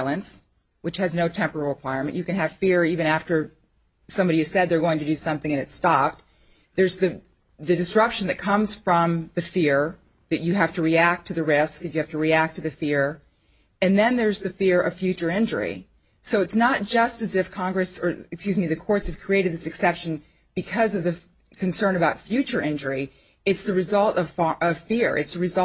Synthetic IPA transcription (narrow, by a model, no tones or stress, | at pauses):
lˠə̃ns | wɨt͡ʃhɨznoʊtʰɛ̃mpə˞ɛɹl̩ˠɹəkʰw̥aɪmɨ̰̃nt͡ʃjɨkɨ̃nɨv̥fɪɹivɨ̃ɾ̃æftə˞ | sʌ̃mbɑɾiɨz̥sɛd̪̚ðə˞ɡoʊɪ̃ŋtɨdɨsʌ̃mθɪ̃ŋɨ̃nɨtstɑp̚t̚ | ðə˞zðɨ | ðɨdɨsɹʌpʃɨn̩ðɨt̚kʰʌ̃mz̥fɹʌ̃mðɨfɪɹ | ðɨt͡ʃɨɦæftɨɹiæk̚tʰɨðɨɹɪsk̚ðɨt͡ʃɨhæftɨɹiæk̚tʰɨðɨfɪɹ | ɨ̃nðɨ̃nðə˞zðɨfɪɹʔʌ̰v̥fjʉt͡ʃə˞ɪ̃nd͡ʒə˞ḭ | soʊɨtsnət̚d̥ʒ̥ʌstɨzɨfkʰɑ̃ŋɡɹɨsə˞ɨkskʲjʉzmiðɨkʰɔɹtshɨv̥kʰɹ̥ieɪɾɨd̪̚ðɪsɨksɛpʃɨ̃n̩ | b̥ɨkʰʌzʌvðɨ | kʰɨ̃n̩sɜ̃˞nɨbaʊtfjʉt͡ʃə˞ʔɪ̃nd͡ʒə˞i | ɨtsðɨɹɨzʌlˠtʌv̥fʔʌv̥fɪɹɨ̰tsðɨɹɨzʌ